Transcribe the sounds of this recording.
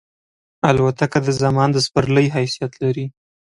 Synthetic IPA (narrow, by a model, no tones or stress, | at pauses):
alwat̪akad̪əzamɑnd̪əspaɾləjɦajsijat̪laɾi